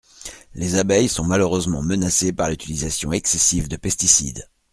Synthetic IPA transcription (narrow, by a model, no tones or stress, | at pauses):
lezabɛjsɔ̃maløʁøzmɑ̃mənasepaʁlyt̪ilizasjɔ̃ɛksɛsivd̪əpɛst̪isḭd̪